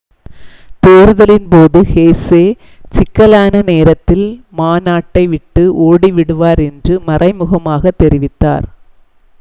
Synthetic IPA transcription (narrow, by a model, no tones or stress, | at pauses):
t̪eːɾɯðɐlɪnpoːðɯheːseː | t͡ʃɪkːɐlaːnɐneːɾɐt̪ːɪlmaːnaːʈːɐɪʋɪʈːɯʔoːɽiʋɪɽɯʋaːɾɛndrɯmɐrʔɐɪmɯɣɐmaːɣɐt̪ːɛɾɪʋɪt̪ːa̰ːɾ